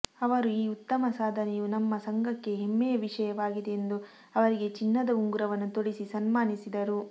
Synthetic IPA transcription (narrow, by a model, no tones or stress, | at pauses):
ɐʋɐɾuiːut̪ːɐmɐsaːd̪ʱɐnɛjunɐmːɐsɐŋɡɐkːe̞ɦemːɛjɐʋiʂɐjɐʋaːɡid̪eend̪u | ɐʋɐɾiɡe̞t͡ʃinːɐd̪ɐuŋɡuɾɐʋɐnːut̪oɽisisɐnmaːnisid̪ɐɾu